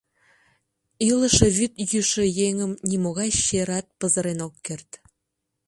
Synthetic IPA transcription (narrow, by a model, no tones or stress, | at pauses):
ilə̆ʃĕβyt̪jyʃĕjeŋəmnʲimoɣɑjʃeɾɑt̪̚pə̆zə̆ɾenokːert̪